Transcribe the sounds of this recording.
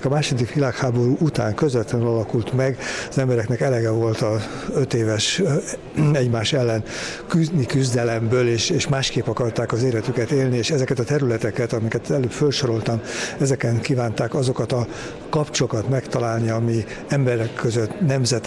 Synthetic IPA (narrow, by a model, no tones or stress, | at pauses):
kɒmaːʃo̞d̪ikʋilaːkhaːbo̞ɾuːʔut̪aːŋkø̞zvɛt̪lɛnɒlɒkult̪mɛɡɒzɛmbɛɾɛknɛkɛlɛɡɛvo̞lt̪ɒ | ø̞t̪eːvɛʃ | ɛɟmaːʃɛlːɛn | kynikyzd̪ɛlɛmbøːleːʃeːʃmaːʃkeːpɒkɒrt̪aːkɒzeːlɛt̪ykɛt̪eːlnieːʃɛzɛkɛt̪ɒt̪ɛɾylɛt̪ɛkɛt̪ɒmikɛt̪ɛzɛløːpfølʃo̞ɾo̞lt̪ɒmɛzɛkɛŋkiːvaːnt̪aːkɒzo̞kɒt̪ɒ | kɒpt͡ʃo̞kɒt̪mɛkt̪ɒlaːlniɒmi | ɛmbɛɾɛkʰːø̞zøt̪nɛmzɛt̪